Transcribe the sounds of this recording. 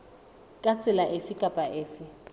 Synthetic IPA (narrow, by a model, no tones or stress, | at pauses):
kʼat͡sʼɪlaʔɪfɪkʼapʼaʔɪːfɪ